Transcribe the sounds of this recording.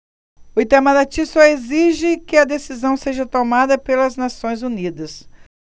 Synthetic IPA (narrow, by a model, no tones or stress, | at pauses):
ʊit̪amɐd̪at͡ʃisoeziʒɪkɪɐd̪esizɐ̃w̃seʒɐt̪omad̪ɐpelɐznasõj̃zunid̪ɐs